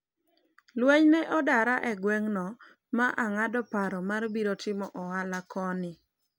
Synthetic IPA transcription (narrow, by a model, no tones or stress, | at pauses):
lwɛɲnɛʔɔdaɾaʔɛɡwɛŋnɔ | maʔaŋadɔpaɾɔmarbiɾotɪmɔʔɔalakɔnɪ